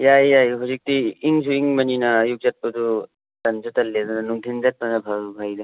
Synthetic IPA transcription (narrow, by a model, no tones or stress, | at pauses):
jajajɦuzik̚tiːŋsuiŋbɐninajuk̚zɐt̚pɐdu | tɐnzutɐlːedɔnanuŋtʰinzat̚panabʰʱalbʰʱajda